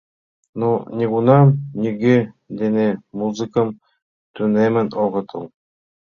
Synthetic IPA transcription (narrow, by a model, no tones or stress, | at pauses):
nunʲiɡunɑmnʲiɡe | d̪enʲemuzɨ̆kə̆m | t̪ynemɘ̆noʁɤ̆t̪ʰɤ̆lˠ